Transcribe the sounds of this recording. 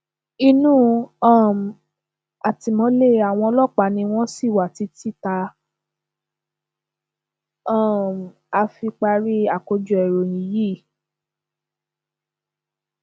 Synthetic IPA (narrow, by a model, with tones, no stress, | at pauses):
i˧nũː˦˨ã˦˨m˨ | a˨ti˨mɔ̃˨˧˦le˦a˨w̃ɔ̃˧ɔ˧lɔ˦˨k͡pa˨˦nĩ˧w̃ɔ̃˦si˦˨wa˨ti˨˧˦ti˦ta˧ | ã˦˨m˨ | a˧fi˧k͡pa˧ɾi˦a˨ko˧d͡ʒu˧˨ɛ˨ɾo˨jĩ˨˦ji˦˨